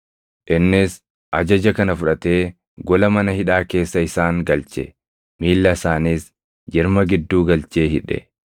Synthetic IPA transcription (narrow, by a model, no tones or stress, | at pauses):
ʔɪnːɪs | ʔɐd͡ʒɐd͡ʒɐkɐnɐfʊᶑɐt̪e̞ː | ɡɔlɐmɐnɐhɪᶑaːke̞ːsːɐɪsaːŋɡɐlt͡ʃɛ̰ | miːlːɐɪsaːniːs | d͡ʒɪɾmɐɡɪd̪ːuːɡɐlt͡ʃeːɦɪᶑɛ̰